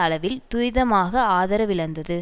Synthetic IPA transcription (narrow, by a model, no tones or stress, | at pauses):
ɐɭɐʋɪlt̪ʊɾɪðɐmaːɣɐaːðɐɾɐʋɪɭɐnd̪ɐðɯ